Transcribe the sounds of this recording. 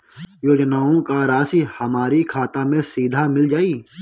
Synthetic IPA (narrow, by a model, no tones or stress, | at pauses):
joːd͡ʒnaːõkaɾaːsihəmaːɾikʰaːt̪amẽsiːd̪ʱamɪld͡ʒaːiː